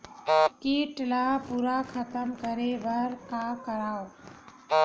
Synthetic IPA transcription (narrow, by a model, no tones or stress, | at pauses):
kiːʈlapuːɾakʰət̪əmkəɾebəɾkaːkəɾaːo